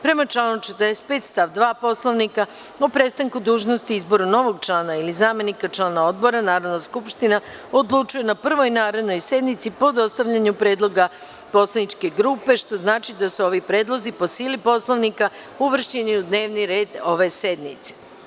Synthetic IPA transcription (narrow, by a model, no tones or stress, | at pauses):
pɾe̞mat͡ʃlˠaːnut͡ʃet̪ɾdese̥t̪̚pe̞ːt̪st̪aʋd̪ʋaːpo̞slˠoʋnika | opɾe̞t̪st̪aŋkud̪uːʒno̞st̪iizbo̞ɾano̞ʋo̞ɡ̚t͡ʃlˠaːnailizaːme̞nikat͡ʃlˠaːnao̞d̪bo̞ɾanaːɾo̞d̪naskupʃt̪inao̞d̪lˠut͡ʃuje̞napr̩ʋo̞jnaːɾe̞d̪no̞jse̞d̪nit̪sipo̞d̪o̞st̪aʋʎaɲupɾe̞ːd̪lˠo̞ɡa | po̞slˠanit͡ʃke̞ɡɾuːpe̞ʃt̪o̞znaːt͡ʃid̪asuo̞ʋipɾe̞ːd̪lˠo̞zipo̞siːlipo̞slˠoʋnika | uʋr̩ʃiniud̪ne̞ːʋniɾe̞ːd̪o̞ʋe̞se̞d̪nit̪se̥